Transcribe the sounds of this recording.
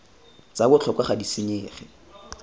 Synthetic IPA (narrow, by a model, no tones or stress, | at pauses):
t͡sabʊt͡ɬʰɔkwaχadisɪɲeːχɪ